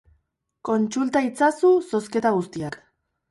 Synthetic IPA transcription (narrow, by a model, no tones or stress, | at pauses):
ko̞nt͡sult̪ait͡sasuso̞ske̞t̪aɣ̞ust̪iak